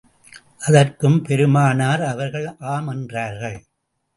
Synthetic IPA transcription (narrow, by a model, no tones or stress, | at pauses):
ʔɐðɐrkɯmpɛɾɯmaːnaːɾɐʋɐɾɣɐɭʔaːmɛndraːɾɣɐɭ